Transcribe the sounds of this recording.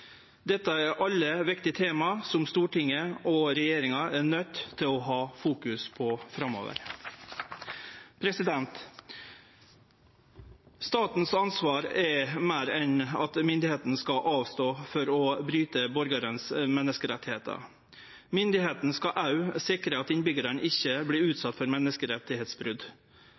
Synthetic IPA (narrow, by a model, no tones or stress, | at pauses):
d̪ɛt̪ːəɛɾʔɑlːəʋɪkt̪ɪət̪ʰeːmɑsɔmst̪uːʈɪŋːəɔɾɛjeːɾɪŋɑɛnœt̪ːʰɪlɔɦɑːfuːkʉspʰɔfɾɑmːo̰ːʋə̰ɾ | pʰɾɛsɪd̪ɛnt̪ | st̪ɑːt̪n̩sɑnsʋɑːɾɛɾmæːɾɛnɑt̪mʏnd̪ɪheːt̪n̩skɑʔɑːʋst̪oːfɔɾɔbɾyːt̪əbɔɾɡɑɾənsmɛnːəskəɾɛt̪ːɪheːt̪ʰə̰ | mʏnd̪ɪheːt̪n̩skɑʔɑʉsɪkɾəɑt̪ɪnbʏɡəɾəɳɪçːəbliːʉːt̪sɑt̪ːfɔɾmɛnːəskəɾɛt̪ːɪheːt̪sbɾʉd̪